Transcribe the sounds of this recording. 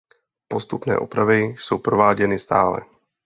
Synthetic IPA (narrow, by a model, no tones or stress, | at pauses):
po̞st̪upnɛ̰ːʔo̰pɾavɪso̞wpɾo̞vaːɟɛnɪst̪a̰ːlɛ̰